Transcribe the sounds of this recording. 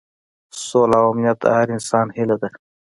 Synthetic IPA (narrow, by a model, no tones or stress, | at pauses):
soːlawamnjat̪a̰haɾɪnsɑːnhilad̪a